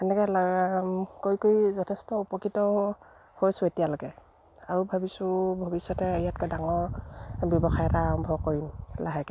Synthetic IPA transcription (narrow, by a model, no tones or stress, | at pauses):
ɛnɛkɛl | kojkojzɔtʰɛstɔupɔkitɔ | hojsʊetijaloɡɛ | aɹubʱabisʊ̃bʱobisjɔtɛijat̚kojdaŋɔɹbjɔbɔxajɛtaːɹɔmbʱɔkoɹimlaɦɛkɛ